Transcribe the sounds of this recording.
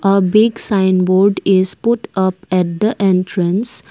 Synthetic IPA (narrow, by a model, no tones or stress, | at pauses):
ʔəbɪɡsãɪ̃nboːɾɖɪzpʊʈʌpɛʈ̚d̪əʔẽnʈɾə̃ns